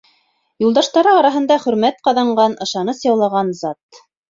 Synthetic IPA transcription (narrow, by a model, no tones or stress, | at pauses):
julˠd̪ɑʃt̪ɑɾɤɑɾɑɦɤ̆nd̪ɑχɵ̆ɾmæt̪qɑðɑɴɢɑnʔɤ̆ʃɑnɤsjɑwlˠɑʁɑnzɑt̪